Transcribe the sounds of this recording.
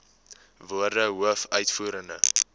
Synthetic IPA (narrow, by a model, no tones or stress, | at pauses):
vuərdəɦuəfœɥtfuːɾəndə